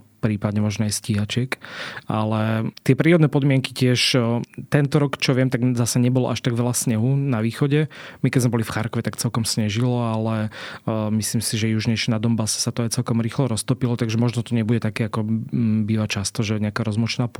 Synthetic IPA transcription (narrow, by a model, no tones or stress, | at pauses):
pɾiːpad̪ɲɛmɔʒnɔajsciɦat͡ʃɛkalɛt̪ɪɛpɾiːɾɔd̪nɛːpɔd̪mɪɛŋkicɪɛʃt̪ɛnt̪ɔɾɔkt͡ʃɔʋɪɛmt̪aɡzasɛɲɛbɔlɔ̰ʔaʃt̪aɡʋɛlasɲɛɦunaʋiːxɔɟɛmikɛɟzmɛbɔlifxaɾkɔʋɛt̪akt͡sɛlkɔmsɲɛʒilɔalɛ | misliːmsiʒɛjuʒɲɛʃɛnad̪ɔmbasɛ̥sat̪ɔajt͡sɛlkɔmɾiːxlɔɾɔst̪ɔpilɔt̪aɡʒɛmɔʒnɔt̪ɔɲɛbuɟɛt̪akɛakɔbiːʋat͡ʃast̪ɔʒɛɲɛakaɾɔzmɔt͡ʃɛnaːp